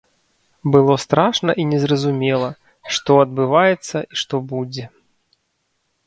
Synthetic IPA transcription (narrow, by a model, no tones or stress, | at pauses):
bɨlˠɔst̪ɾaʂnɐʔinʲɛzrɐzumʲɛlˠɐ | ʂt̪ɔɐd̪̚bɨvajɛt̪sːɐʔiʂt̪ɔbud͡zʲɛ